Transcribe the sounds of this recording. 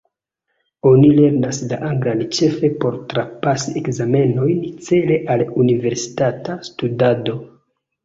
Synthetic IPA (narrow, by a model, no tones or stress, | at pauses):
o̞nile̞ɾnaslaʔaŋɡɾant͡ʃe̞fe̞po̞ɾtɾapasiekzame̞no̞jnt͡se̞le̞ʔalunive̞ɾsi̥tatastudado̞